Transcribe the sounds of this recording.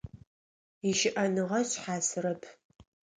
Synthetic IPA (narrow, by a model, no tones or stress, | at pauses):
iʃɪʔɐnɨʁɐɕħaːsɨɾɐpʰ